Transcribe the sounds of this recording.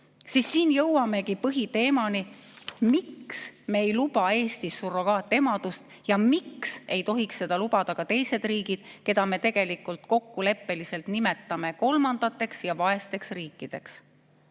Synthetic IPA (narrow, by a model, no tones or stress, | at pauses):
sisːiːnjɤwwɑme̞kipɤɦit̪e̞ːmɑnimiksme̞ːjlupɑe̞ːst̪isːuro̞kɑːt̪ːˑe̞mɑd̪̥ust̪ | jɑmikse̞jt̪o̞ɦiksːe̞d̪̥ɑlubɑd̪̥ɑkɑt̪e̞jse̞d̪riːɡ̥id̪̥ke̞d̪̥ɑme̞t̪e̞ɡ̥e̞likːult̪ko̞kːule̞pːe̞lise̞lt̪nime̞t̪ːˑɑme̞ko̞lmɑnd̪̥ɑt̪ːˑe̞ksjɑvɑe̞st̪e̞ksriːkːˑid̪̥e̞ks